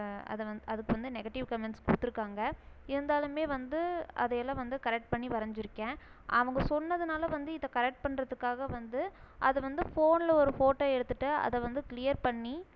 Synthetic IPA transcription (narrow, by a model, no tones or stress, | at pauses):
ɐ̰ðɐʋɐɐðɯkːɯʋɐnd̪ɯnɛɣɐʈːɪʋkɐmɛɳʈskuːt̪ːɪɾɯkːaːŋɡɐɪɾɯnd̪aːlɯmeːʋɐnd̪ɯʔɐ̰ðɛjɛlːãːʋɐnd̪ɯkɐɾɛk̚ʈ̚pɐɳːiʋɐɾɐɲd͡ʒɪɾɯkːẽː | ʔɐʋɐŋɡɐsɔnːɐðɯnaːlɐʋɐnd̪ɯɪðɐkɐɾɛk̚ʈ̚pɐɳɾɐðɯkːaːɣɐʋɐnd̪ɯʔɐðɯʋɐnd̪ɯfoːnlɐɔɾɯfoːʈːoːɛɽɯt̪ːɯʈːɯɐ̰ðɐʋɐnd̪ɯkɪlɪjɐɾpɐɳːi